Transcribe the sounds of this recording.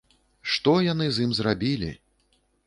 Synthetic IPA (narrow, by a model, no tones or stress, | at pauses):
ʂt̪ɔjanɨzʲjimzrabʲilʲḭ